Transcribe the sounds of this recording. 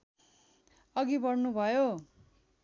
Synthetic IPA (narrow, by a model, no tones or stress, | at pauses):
ʌɡibʌrnubʱʌjo